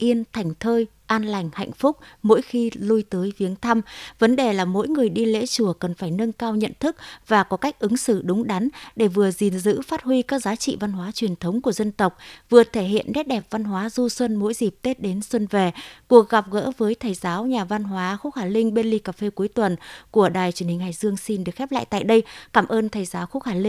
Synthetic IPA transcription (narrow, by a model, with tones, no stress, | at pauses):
ʔi˧ənt̪ʰa˨˩jŋ̟t̪ʰəː˧j | ʔaː˧nla˨˩jŋ̟ha̰˧˨jŋ̟fʊ˦˥k͡p̚mo̰˧˥jxi˧lu˧jt̪əː˨˦jvi˨˦ənt̪ʰa˧mvə˨˦nɗe˨˩laː˨˩mo̰˧˥jŋɨ˨˩əjɗi˧lḛ˧˥t͡ɕu˧˩əkə˨˩nfaː˧˩jnə˧nkaː˧wɲə̰˧˨nt̪ʰɨ˦˥k̚vaː˨˩kɔ˨˦ka˦˥jk̟̚ʔɨ˨˦ŋsɨ̰˧˨ɗʊ˨˦ŋ͡mɗa˨˦nɗe˧˩vɨ˨˩əzi˨˩nzɨ̰˧˥faː˦˥t̚ɦwi˧kaː˦˥k̚zaː˨˦t͡ɕḭ˧˨va˧nɦwaː˨˦t͡ɕwi˨˩ənt̪ʰə˨˦wŋ͡mku˧˩əzə˧nt̪ə˨˩wk͡p̚vɨ˨˩ət̪ʰe˧˩ɦḭ˧˨ənɗe˦˥t̚ɗɛ˨˩p̚va˧nɦwaː˨˦zu˧swə˧nmo̰˧˥jzi˨˩p̚t̪e˦˥t̚ɗe˨˦nswə˧nve˨˩ku˨˩ək̚ɣa˨˩p̚ɣə̰ː˧˥vəː˨˦jt̪ʰə˨˩jzaː˨˦wɲaː˨˩va˧nɦwaː˨˦xu˦˥k̚haː˧˩lï˧ŋ̟ɓe˧nli˧kaː˨˩fe˧ku˨˦jt̪wə˨˩nku˧˩əɗaː˨˩jt͡ɕi˨˩ənhï˨˩ŋ̟haː˨˩j̚zɨ˧əŋsi˧nɗɨ˨˩əkxɛ˦˥p̚la̰ː˧˨jt̪a̰ː˧˨jɗə˧jkaː˧˩mʔəː˧nt̪ʰə˨˩jzaː˨˦wxu˦˥haː˧˩li˧ŋ